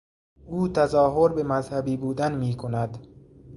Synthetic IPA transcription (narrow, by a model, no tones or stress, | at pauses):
uːt̪ʰæzɒːɦoɾbemæzhæbiːbuːd̪ænmiːkʰonæd̪